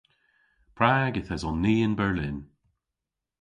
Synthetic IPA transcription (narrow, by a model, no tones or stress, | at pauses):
pʰɹaːɡɪθəzɔnːiːɪnbɛɹlɪn